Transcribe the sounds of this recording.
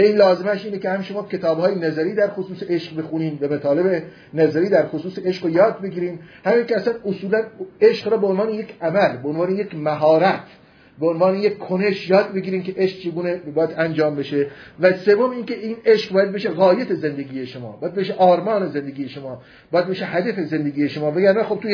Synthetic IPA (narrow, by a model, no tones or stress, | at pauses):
æiːnlɒːzemæʃiːnekʲehæmʃo̞mɒːcʲʰe̞t̪ʰɒːbhɒːjenæzæɾiːd̪æɾxosuːseeʃqbe̞xuniːnbemæt̪ʰɒːle̞be | næzæɾiːd̪æɾxosuːseeʃqojɒːd̪̚be̞ɡʲiːɾiːmhæmiːnkʲʰeæsænosuːlæneʃqɾɒːbeonvɑːnejekʰʲæmælbeonvɑːnejekmæɦɒːɾæt̪ʰ | beonvɑːneje̞kʲkʰːoneʃjɒːd̪̚be̞ɡiːɾiːmkʲeʔeʃq̚t͡ʃʰe̞ɡuːnebɒːjæd̪ænd͡ʒɒːmbe̞ʃevæse̞vːomiːnkeiːneʃqbɒːjæd̪beʃeɣɒːjet̪ʰeze̞nd̪eɡʲiːjeʃo̞mɒːbɒːjæd̪̚beʃeʔɒːɾmɒːne̞zend̪e̞ɡʲiːjeʃo̞mɒː | bɒːjæd̪beʃehæd̪æfe̞ze̞nd̪eɡiːjeʃomɒːvæɡæɾnæxob̚t̪uj